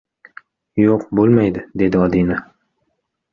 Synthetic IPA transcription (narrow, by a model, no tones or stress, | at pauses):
joqbolˠmajd̪ɪd̪e̞d̪ɪɒd̪ina